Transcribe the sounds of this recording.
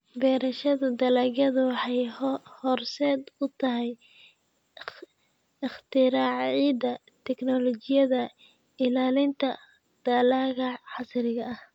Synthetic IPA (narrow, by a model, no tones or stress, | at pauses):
bɛːɾɐʃɐðʊd̪ɐlɐɡɐðʊwɑħɑjhɔːrsɛːd̪ʊt̪ʰɐɦɛj | ɪχt̪ʰɪɾaːʕʕiːd̪ɐ | t̪ʰɛknɔlɔt͡ʃɪjɐðɐ | ɪlaːlɪnt̪ʰɐ | d̪̥ɐlaːɣɐħɑsɾɪɣɐɐh